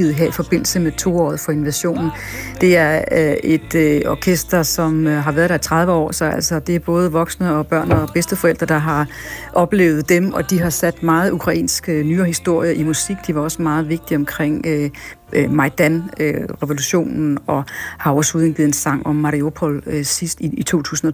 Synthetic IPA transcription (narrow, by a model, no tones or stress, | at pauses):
ið̩ˠɦeɐifɒ̽b̥e̝n̰l̩səmet͡sʰo̝̰ːɒ̰ːð̩ˠfɒ̽e̝nʋæɕo̝̰ːnn̩d̥e̝æɐe̝d̥ɒːkʰesd̥ɐsɒ̽mɦɑ̈ʋæːɐðˠdɑæt͡sʰʁɑ̈ðˠʋəɒ̰ːsɒ̽æl̰sɒ̽d̥e̝æɐb̥ɔ̽ːð̞ˠəʋɒ̽ɡ̥snəɒ̽b̥ɶɐ̰nɒb̥esd̥əfɒel̰d̥ʁɐd̥ɑ̈ɦɑ̈ | ʔɒ̽b̥le̝̰ːʊð̞̩ˠd̥emʔɒ̽d̥iɦɑ̈sæd̥mɑ̈ːð̞̩ˠukʰʁɑ̈ḭːnsɡ̥ənyːɐhisd̥o̝ɐ̰jɐʔimusiɡ̥d̥iʋɑ̈ɒ̽səmɑ̈ːð̞̩ˠʋe̝ɡ̥̚d̥iɒ̽mkʰʁeŋ̰ø | mɑ̈ɪd̥ænʁɛʋo̝luɕo̝̰ːnn̩ɒ̽hɑ̈ɒshuðˠən̩ɡið̩ˠensɑ̈ŋ̰ɒmːɑʁio̝pʰɔlsisd̥iit͡sʰo̝̰ːt͡sʰṵːsn̩ɒ